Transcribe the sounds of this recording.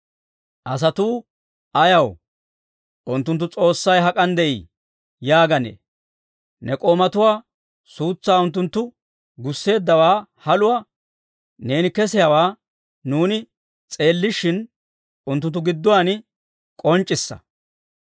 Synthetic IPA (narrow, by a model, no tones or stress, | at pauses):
ʔɐs̬ɐt̪uː | ʔɐjɐw | ʔʊnt̪ːʊnt̪ːʊt͡sʼo̞ːsːɐjɦɐkʼɐnd̪ɛʔḭː | jaːɡɐnḛː | nɛkʼoːmɐt̪ʊwaː | suːt͡sːaːʊnt̪̬ːʊnt̪ːʊ | ɡʊsːe̞ːd̪ːɐwaːhɐlʊwɐ | ne̞ːnɪkɛsɪjawaː | nuːnɪ | t͡sʼe̞ːlːɪʃɪn | ʊnt̪̬ːʊnt̪ːʊɡɪd̪ːʊwanɪ | kʼɔnt͡ʃʼːɪsːɐ̰